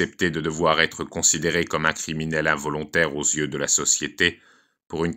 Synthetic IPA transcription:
ɛpt̪ed̪əd̪əvwaʁɛt̪χəkɔ̃sid̪eʁekɔmɛ̃kχiminɛlɛ̃vɔlɔ̃t̪ɛʁozjød̪əlasɔsjet̪e | puʁyn

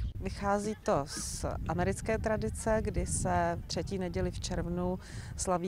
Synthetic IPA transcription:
vɪxaːziːt̪osʔamɛɾɪt͡skɛːt̪ɾadɪt͡sɛɡdɪsɛt̪r̥ɛciːnɛɟɛlɪft͡ʃɛɾvnu | slaviː

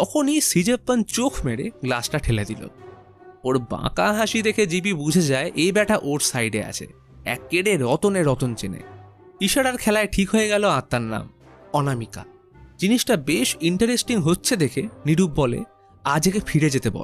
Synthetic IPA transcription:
t̪ɔkʰonisid͡ʑepːant͡ɕokʰmeɽḛɡlasʈaʈʰeled̪ilo̰ | oɾbã̰kaɦaʃid̪ekʰed͡ʑip̬ibud͡ʑʱed͡ʑaeʔebɛʈaʔoɾsajɖḛa̰t͡ɕʰḛ | ɛ̰kːeɽeɾɔt̪oneɾɔt̪ont͡ɕenḛ | iʃaɽaɾkʰɛlaeʈʰikɦoeɡɛloat̪ːaɾna̰m | ɔnamika̰ | d͡ʑiniʃʈabeʃiɳʈaɾesʈiŋɦotːɕʰed̪ekʰeniɖub̚ːɔlḛ | ad͡ʑekefʰiɾed͡ʑet̪ebɔ̰

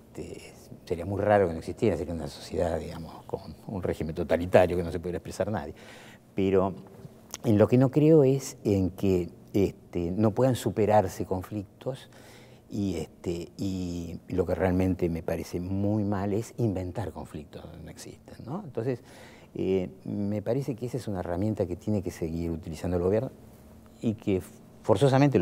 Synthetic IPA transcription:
et̪ḛ | se̞ɾiamujraɾokenoeksist̪jeɾaseɾiaunaso̞̥sje̞ðaðiɣamosko̰nunreximent̪o̞t̪alit̪aɾjo̞keno̞sepuðjeɾaepɾesaɾna̰ðje | peɾo | enlo̞keno̞kɾeoeseŋke | est̪eno̞pwe̞ðansupeɾaɾseko̞ɱflik̚t̪o̞s | ieht̪eilo̞kerealmẽ̞nt̪emepaɾesemujmalesimbe̞nt̪aɾko̞ɱflik̚t̪onoeksḭst̪enːoẽnt̪o̞nses | ḛmepaɾesekeesaesunaeramje̞nt̪aket̪je̞nekeseɣiɾut̪ilisand̪oelɣo̞βjeɾno | ikʰe | fo̞ɾso̞s̬amẽnt̪e

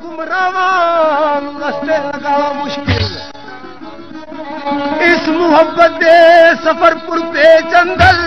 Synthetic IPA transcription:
kʊmɾaːʋaːnɡɐst̪eːlɐɡaːmʊʃkɪl | ɪsmʊɦəbːət̪esɐpʰəɾpʊɾpeːt͡ʃɐnd̪ʱɐl

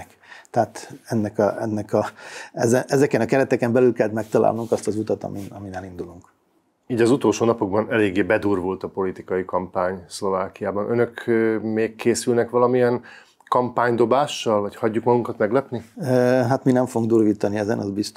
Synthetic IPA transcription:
k | t̪ɛɦaːt̪ɛnːɛkɒɛnːɛkɒɛzɛnʔɛzɛkɛnɒkɛɾɛt̪ɛkɛmbɛlylkɛlt̪mɛk̚t̪ɒla̰ːlnuŋkɒst̪ɒzut̪ɒt̪ɒ̰miɒminɛlind̪uluŋk | iːɟɒzut̪o̞lʃoːnɒpoɡ̚bɒnɛleːɡːeːbɛd̪uːrvolt̪ɒpo̞lit̪ikɒjikɒmpaːɲslo̞vaːkijaːbɒnønøkːmeːkːeːsylnɛkʋɒlɒmijɛn | kɒmpaːɲd̪o̞baːʃːɒlvɒchɒɟːukmɒɡuŋkɒt̪mɛɡlɛpniøɦat̪minɛɱfoɡuŋɡd̪uːrʋiːt̪ɒniɛzɛnɒzbist̪

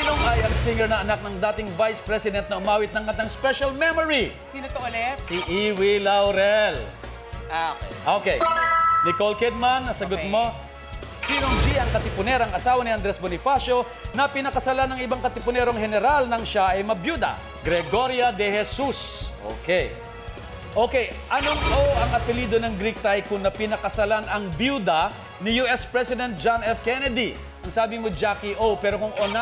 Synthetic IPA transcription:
sinoŋɐjɐŋsiŋɛɹnɐʔɐnak̚nɐŋd̪aːt̪ɪŋvajspɾɛsɪd̪ɛnt̪nɐʔʊmaːwɪt̪nɐŋkɐt̪ɐŋspɛʃɐlmɛmoɹi | t̪ɛt̪siʔiwilɐwɾɛl | ʔokɛjnɪkolkɛd̪̚manːɐsɐɡʊmo | siːnoŋd͡ʒiɐŋkɐt̪ɪpʊnɛɾɐɐŋɐsaːwɐniʔɐnd̪ɾɛsbonɪfaʃo̞ | nɐpɪnɐkɐsɐlanɐŋɪbaŋkɐt̪ɪpʊnɛɾoŋhɛnɛɾalnɐŋʃaʔɐjmɐbjuːd̪ɐ̰ | ɡɾɛɡoɾjɐd̪ɛhɛsusʔo̰ːkɛj | ʔoːkɛjʔɐnoŋʔoʔɐŋɐpɪliːd̪o̞nɐŋɡɾik̚t̪ajkʊŋnɐpɪnɐkɐsɐlanɐŋbjud̪ɐ | nɪjuʔɛspɹɛsɪd̪ɛnt̪̚d͡ʒanɛfkɛnɛd̪i | ʔɐŋsaːbɪmod͡ʒakɪʔopɛːɾo̞kʊŋʔona

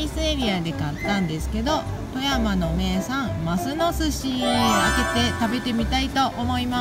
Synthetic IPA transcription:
iseɾʲiad̪e̞kat̪ːãnd̪e̞sɨ̥ke̞d̪o̞ | t̪o̞jamano̞me̞ːsãŋmasɨnosɨɕiake̞t̪e̞t̪abe̞t̪e̞mʲit̪ait̪o̞ʔomo̞ima

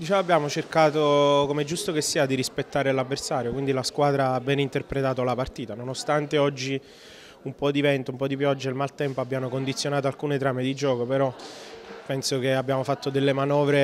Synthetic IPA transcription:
d̪it͡ʃɛːvabːjaːmot͡ʃerkaːt̪okomed͡ʒːust̪okesːiːad̪iɾispet̪ːaːɾelavːersaːɾjokwind̪ilaskwaːd̪ɾaabːɛːneint̪erpɾet̪aːt̪olapart̪iːt̪anonost̪ant̪eɔd͡ʒːi | umpɔd̪ivɛnt̪oumpɔd̪ipjɔd͡ʒːailmalt̪ɛmpoabːjaːmokond̪it̪sːjonaːt̪̬oalkuːnet̪ɾaːmed̪id͡ʒɔːkopeɾɔ | pɛnsokeabːjaːmofat̪ːod̪elːemanɔːvɾe

